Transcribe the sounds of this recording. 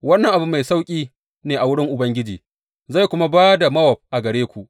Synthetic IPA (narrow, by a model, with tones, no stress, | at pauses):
wɐ˦nːɐ˨ŋʔa˨bʊ˦mːa˨jsa˦wkʲʼiː˦ | neː˨ʔa˨wʊ˦ɽɪ˦ŋʔʊ˨bɐ˦ŋɡʲɪ˦d͡ʒiː˨ | za˦˨kʷʊ˦ma˦baː˦da˨mɐ˦wɔ˨p̚ʔa˨ɡɐ˨ɽeː˦kʷu˨ʔ